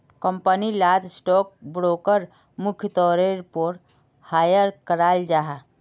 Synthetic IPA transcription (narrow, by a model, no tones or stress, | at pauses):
kəmpənilaːd̪sʈɔk̚bɾoːkəɾ | mʊkʰjət̪ɔːɾeɾpoːɾ | haːjəɾkəɾaːld͡ʒaɦa